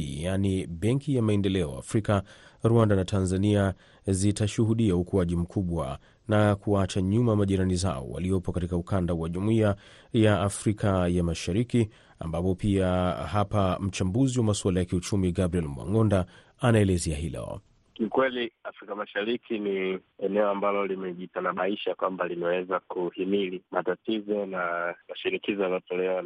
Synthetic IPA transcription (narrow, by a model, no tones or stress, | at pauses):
janiɓɛŋkijamaɛndɛlɛɔ̰a̰fɾikaɾwandanatʰanzania | zitaʃuɦuɗiaukuaʄim̩kʰuɓwa̰ | nakuat͡ʃaɲumamaʄiɾaniza̰ɔ̰wa̰liɔpɔkatikaukandawaʄumuia | jaːfɾikʰajamaʃaɾiki | a̰mbapɔpiahapam̩t͡ʃambuziwamaswalajakiut͡ʃumiɡabɾiɛlmwa̰ŋɔnda | anaɛlɛzɛaɦilɛ̰ɔ̰ | kikwɛliafɾikamaʃaɾikʰiniɛnɛɔambalɔlimɛʄitanaɓaiʃakwambalinawɛzakuhimilimatatizɔnamaʃinikizɔjalɔtɔlɛwa